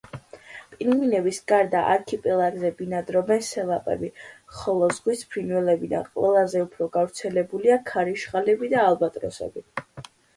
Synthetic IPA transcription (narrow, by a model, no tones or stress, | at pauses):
pʼinvinɛbisɡ̥aɾd̪aʔaɾkʰipʼɛlˠaɡzɛbinad̪ɾɔbɛnsɛlˠapʼɛ̰biχɔlˠɔzʁwispʰɾinwɛlɛbid̪a̰nqʼwɛ̰lˠazɛupʰɾɔɡavɾt̪sʰɛlɛbuliakʰaɾiʃχalɛbid̪aːlˠbat̪ʼɾɔ̰sɛ̰bi